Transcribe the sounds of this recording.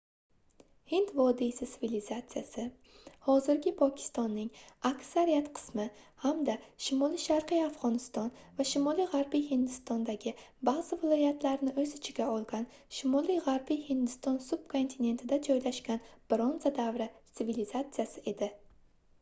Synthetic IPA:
hɪnt̪vɒd̪isɪt̪ɪvilizat̪sɨjasɪ | hɒzɪɾɡʲɪpʰɒkʲʰɪ̥st̪ɒnːɪŋakʲsaɾijat̪qʰɨ̥smɪhamd̪aʃɪmɒlˠijʃaɾqijafʁɒnɪst̪ɒnvaʃɪmɒlijʁaɾbijhɪnd̪ɪst̪ɒnd̪aɡʲɪbaʁz̥ɪvɪlˠɒjat̪ʰlaɾɪnɪɵzɪt͡ʃʰɪɡʲaɒlˠɡʲanʃɪmɒlˠijʁaɾbijhɪnd̪ɪst̪ɒnsʊbkʰo̞nt̪ʰine̞nt̪ʰɪd̪ad͡ʒɒjlaʃkʲanb̥ɾonzad̪avɾɪt̪sɪvilɪzat̪sɨjasɪʔe̞d̪ɪ

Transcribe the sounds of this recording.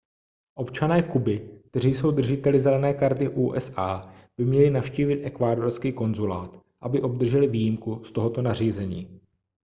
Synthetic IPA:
ʔo̞pt͡ʃanɛːkubɪkk̚t̪ɛr̝iːjso̞wd̪r̩ʒɪt̪ɛlɪzɛlɛnɛːkaɾt̪ɪʔuːʔɛsʔaːb̥ɪmɲɛlɪnafʃciːvɪt̪ʔɛkvaːdo̞ɾskiːko̞nzulaːt̪ | ʔabɪʔo̞b̚d̪r̩ʒɛlɪviːjɪmkust̪o̞ɦo̞t̪o̞nar̝iːzɛɲiː

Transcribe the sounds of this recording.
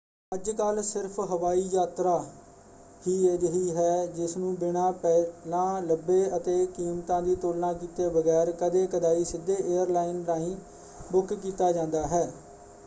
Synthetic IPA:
əd͡ʒkəlsɪɾpʰɦəʋaːiːjaːt̪ɾaː | hiːeːd̪əɦiːɦɛːd͡ʒɪsnũːbɪɽ̃ãːpɛːlãːləbːeːət̪eːkiːmt̪ãːd̪iːt̪oːlnãːkiːt̪eːbəɡɛːɾkəd̪eːkəd̪aːiːsɪd̪ːeːʔeːəɾlaːɪnɾaːĩː | bʊkkiːt̪aːd͡ʒãːnd̪aːɦɛː

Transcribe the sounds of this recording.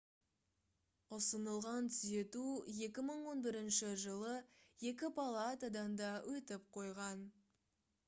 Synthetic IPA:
ʊsənəlˠʁɑnt̪ʰʏze̞t̪uje̞kʲɪməɴwo̞nbɪɾɪnʃɪʒəlˠəje̞k̬ʲɪpʰalˠɑt̪ɑd̪ɑnd̪ɑwʔɵt̪ɪp̚qʰo̞jʁɑn

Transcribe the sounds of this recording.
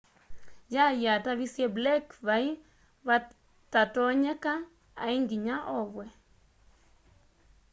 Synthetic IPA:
jajjataβisjɛblɛkβai | βa | tatɔɲɛka | a̰iŋɡiɲaʔɔβwɛ

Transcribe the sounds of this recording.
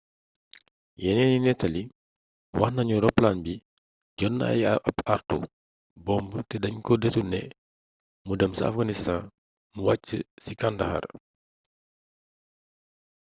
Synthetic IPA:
jɛnɛninɛtːɐli | wɐxnɐɲuɾɔpːlanbi | ɟɔn̰ːɐ̰jɐpartṵ | bɔmbətɛdɐɲkɔdɛtunɛ̰ | mudɐmsɐa̰fɡɐnistan | muwacːə̰sikandɐxɐ̰ɾ

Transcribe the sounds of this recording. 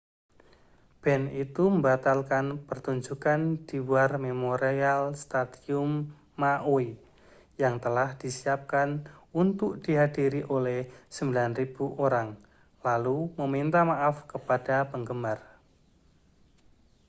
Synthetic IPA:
b̥ɛnit̪uməmbat̪alkanpərt̪uɲd͡ʒukand̥iwuarmemoɾealst̪adiʊmː | aʔoi | jaŋt̪əlahd̥isiap̚kanunt̪ʊk̚d̥iɦadiɾiʔolɛhsəmbilanrib̥uʔoɾaŋ | lalumomint̪amaʔafkəpad̥apəŋɡəmar

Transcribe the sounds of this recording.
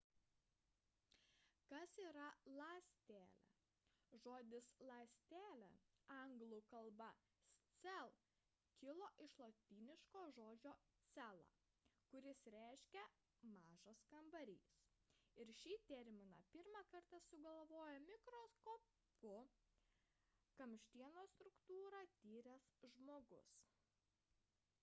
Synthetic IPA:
kɐsiːɾɐlˠɑːsʲt̪ʲæːlʲɛ̰ | ʒoːd̪ʲɪslˠɑːsʲt̪ʲæːlʲɛ̰ɐŋɡlˠʊkɐlˠbɐ | sʲt̪sʲɛlˠ | kʲɪlˠoːʔɪʃlˠɐt̪ʲiːnʲɪʃkoːʒoːd͡ʒʲoːt̪sʲælˠɑ̰ː | kʊɾʲɪsɾʲæˑɪʃʲkʲɛ | mɑːʒɐskɐmbɐɾʲḭːs | ɪɾʃʲiːt̪ʲɛɾʲmʲɪnɑ̰pʲɪɾmɑkɐɾt̪ɐsʊɡɐlˠʋoːjɛmʲɪkɾoːskoː | pʊ | kɐmʲʃʲt̪ʲiɛnoːst̪ɾʊkt̪uːɾɑːt̪ʲiːɾʲɛsʒmoːɡʊ̰s

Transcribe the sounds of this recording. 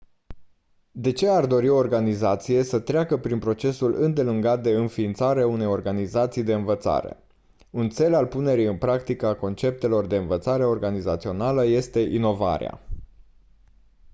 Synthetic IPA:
d̪e̞t͡ʃe̞ard̪o̞ɾio̞ːrɡanizat̪sije̞sət̪ɾeakəpɾinpɾo̞t͡ʃe̞sulɨnd̪e̞luŋɡat̪̚d̪e̞ɨnfiːnt̪saɾeaune̞jo̞rɡanizat̪sijd̪e̞ɨnvət̪sa̰ɾḛ | unt̪se̞lalpune̞ɾijɨnpɾakt̪ikəako̞nt͡ʃe̞p̚t̪e̞lo̞rd̪e̞ɨnvət̪saɾe̞o̞rɡaniza̰t̪sio̞naləje̞st̪e̞ʔino̞va̰ɾḛa̰

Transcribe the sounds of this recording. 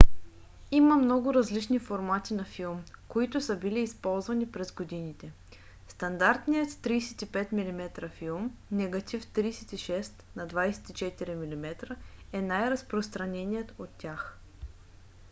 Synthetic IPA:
iməmnɔɡʊɾɐzlit͡ʃnifoɾmat̪inɐfilˠmkoit̪ʊsəbiliːspɔlˠzvɐnipɾɛzɡod̪init̪ɛ | st̪ɐnd̪aɾt̪nijət̪ːɾijsɛ̥t̪ipɛt̪milimɛt̪ɾəfilˠmnɛɡɐt̪ʲift̪ɾijsɛt̪iʃɛst̪nɐd̪vajsɛ̥t̪it͡ʃɛt̪iɾimilimɛt̪ɾəɛnajɾɐspɾost̪ɾɐnɛnijət̪ot̪ːʲjax

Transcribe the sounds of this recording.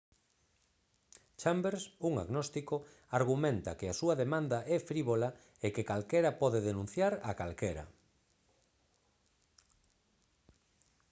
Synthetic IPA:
t͡ʃambeɾsuŋa̰ɣnɔst̪iko | aɾɣumẽnt̪a̰keasuɐðemãnd̪aʔɛfɾiβola | ekekalkeɾɐpɔðeðenũn̟θjaɾakalkeɾɐ̰

